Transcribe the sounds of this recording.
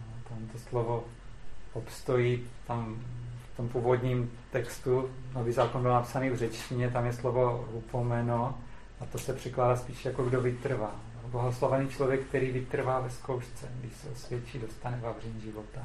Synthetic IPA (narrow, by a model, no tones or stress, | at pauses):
ot̪amt̪oslovo | opst̪o̞jit̪amft̪ompuːvo̞dɲim | t̪ɛkst̪unovizaːkonbɪlnapsaniːvrɛt͡ʃcɪɲɛt̪amjɛslovo̞ɾupomɛno | ʔat̪osɛpr̝̥ɛklaːdaspiːʃɛjakoɡdovɪt̪r̩vaːjoblaɦoslavɛniːt͡ʃlovjɛk̚t̪ɛɾiːvɪt̪r̩vaːvɛsko̞wʃt͡sɛɡdɪʃsɛʔosvjɛt͡ʃiːdo̞st̪anɛvavrɛɲʒɪvo̞t̪a